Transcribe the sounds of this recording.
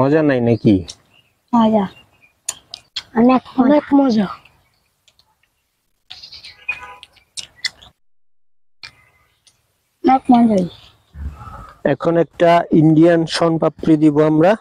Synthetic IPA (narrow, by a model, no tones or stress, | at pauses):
ɔzanajnaki | mɔza | nɛkɔnɛkmɔzɔ | nɔkmɔnd͡ʒɔ | ɛkʰɔnɛk̚taindijansɔnpapɹid̪ibɔamɹa